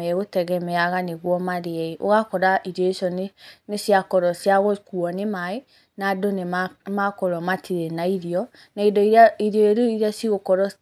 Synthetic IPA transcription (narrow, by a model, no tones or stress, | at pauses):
ɛɣotɛɣɛmɛaɣaneɣwɔmaðeaiʔo̰ɣakɔɾaiɾjɔeʃɔnenesjakɔɾɔsjaɣokuɔnemae | nadonemakɔɾɔmatʰiɾenaiɾiɔ | naidɔiiɾjɔeɾoiɾiasiɣokɔɾɔ